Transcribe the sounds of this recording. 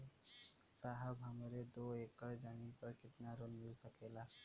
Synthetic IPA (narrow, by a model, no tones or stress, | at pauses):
saɦəbɦəmɾed̪oekːəɾd͡ʒanipəɾkɪt̪naɾolmɪlsəkela